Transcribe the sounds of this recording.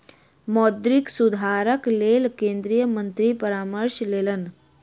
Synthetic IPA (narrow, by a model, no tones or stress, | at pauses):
mɔːd̪ɾiksud̪ʱaːɾəkleːlkẽːnd̪ɾijəmə̃nt̪ɾipəɾaːməɾʃleːlən